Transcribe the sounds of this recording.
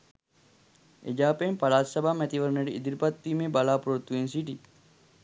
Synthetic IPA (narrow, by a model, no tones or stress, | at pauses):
ed͡ʒaːpeempalaːsɐbaːmɛt̪iʋəɾneɖiid̪iɾipɐt̪ːiːmeːbalaːpuɾot̪ːuensiʈi